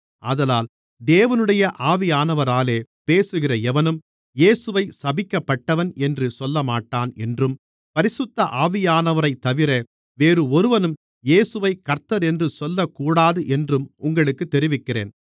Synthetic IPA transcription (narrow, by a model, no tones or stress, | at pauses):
ʔɐ̰ðɐlaːl | d̪eːʋɐnɯɽɐjɐʔaːʋɪjaːnɐʋɐɾaːleːpeːsɯɣɪrɐɛʋɐnɯm | jeːsɯʋɐɪsɐbɪkːɐpːɐʈːɐʋɐnɛndrɯsɔlːɐmaːʈːaːnɛndrɯm | pɐɾɪsʊt̪ːɐʔaːʋɪjaːnɐʋɐɾɐɪt̪ːɐʋɪɾɐ | ʋeːɾɯɔɾɯʋɐnɯm | jeːsɯʋɐɪkːɐɾt̪ɐɾɛndrɯsɔlːɐkːuːɽaːðɯʔɛndrɯmʊŋɡɐɭɯkːɯt̪ːɛɾɪʋɪkːɪrḛːn